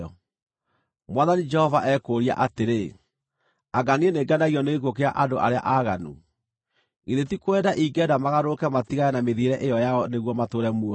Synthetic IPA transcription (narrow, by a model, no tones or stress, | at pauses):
ɔ | mwaðanid͡ʒɛhɔvaʔɛkoːɾia̰ʔateɾe | aɡanieneɡanaɣiɔneɣekokea̰ʔandoʔa̰ɾea̰ʔaɣanṵ | iðetikwɛdaʔiɡɛdamaɣaɾokɛmatiɣajɛnameðiɾɛʔejɔjaɔneɣwɔmatoːɾɛmuɔ